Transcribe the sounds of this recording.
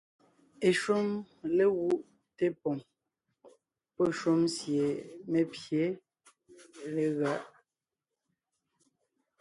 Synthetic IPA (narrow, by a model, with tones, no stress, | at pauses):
e˨ʃo˦m | le˦ɣu˦ʔ | te˦pɔ˨ŋ | pɔ˦ʃo˦msje˨me˨pje˨˦ | le˨ɣa˦ʔ